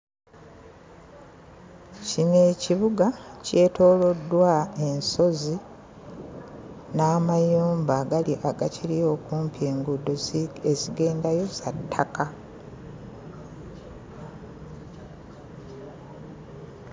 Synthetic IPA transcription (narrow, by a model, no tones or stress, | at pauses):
cine̞ːciβuɡace̞ːto̞ːlo̞dːwae̞nso̞zi | naːmajuːmbaɡaliʔaɡacilijo̞ːkuːmpje̞ːŋɡudːoeziɡe̞ːndajo̞satʰːaka